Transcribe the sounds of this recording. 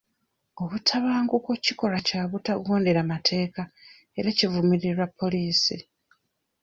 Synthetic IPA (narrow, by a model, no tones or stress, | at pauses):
o̞βutʰaβaːŋɡukociko̞ɾacaːβutaɡoːndeɾamatʰe̞ːka | e̞ɾacivumiɾiɾwapʰːo̞liːsi